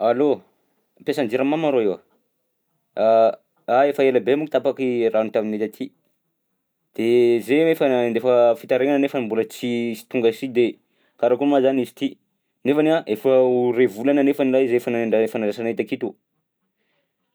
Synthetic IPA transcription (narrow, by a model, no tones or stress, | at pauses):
alo | pesand͡ʒiɾamamaɾoewa | a | aefəeləbemukit̪apakirant̪aminet̪at̪ʰi | d̪̥ezeefənd̪efəfit̪aɾeŋanənefənimbulət͡sisi̥t̪uŋɡasid̪e | kaɾakumazanizi̥t̪i | nefanaʔefəurevulananefanilazefanaeɳɖ͡ʐafanaɾasanet̪akit̪u